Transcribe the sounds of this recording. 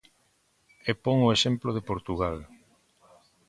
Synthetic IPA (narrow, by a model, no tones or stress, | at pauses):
epɔŋoeʃemploðepoɾt̪uɣal